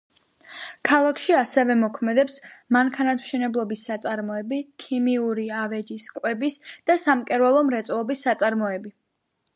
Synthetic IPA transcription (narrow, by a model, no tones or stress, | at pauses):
kʰalˠakʰʃiasɛvɛmɔkʰmɛd̪ɛpsmaŋkʰanat̪ʰm̥ʃɛnɛblˠɔbisːat̪sʼaɾmɔɛbikʰimiuɾiavɛd͡ʒiskʼwɛbisd̪̥asamkʼɛɾwalˠɔmɾɛt̪sʼlˠɔbisːat̪sʼaɾmɔɛbi